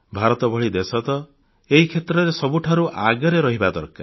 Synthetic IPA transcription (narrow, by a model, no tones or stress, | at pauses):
bʱaɾɔt̪ɔbɔɭid̪esɔt̪ɔ | eɦikʰet̪ɾɔɾesɔbuʈʰaɾuʔaɡɔɾeɾɔɦibad̪ɔɾka̰